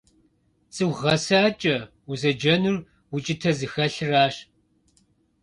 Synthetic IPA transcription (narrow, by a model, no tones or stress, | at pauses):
t͡sʼɨwʁɐsaːt͡ʃʼɐ | uzɐd͡ʒɐnur | wut͡ʃʼɪtʰɐzɨxɐɬɨraːɕ